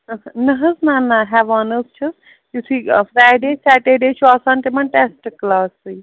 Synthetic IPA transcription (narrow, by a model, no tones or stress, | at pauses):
ɐnəɦəznaːnːaɦɛːʋaːnəst͡ʃʰɐs | jusifɾaːjɖeːsæːʈeɖeːt͡ʃʰuaːsãːnt̪emɐnʈesʈklaːsːɨ